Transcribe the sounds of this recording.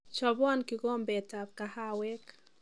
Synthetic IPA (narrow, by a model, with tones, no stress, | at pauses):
t͡ʃɔ˨βɔ˦nkiɡɔ˦mbɛ˨ta˨p̚kaha˦wɛ˦k